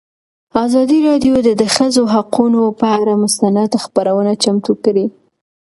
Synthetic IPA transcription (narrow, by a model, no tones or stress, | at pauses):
ɑzɑd̪iɾɑɖjod̪əd̪əxəzoɦaqunopəaɾamʊst̪anad̪xpaɾawənat͡ʃamt̪ukɽi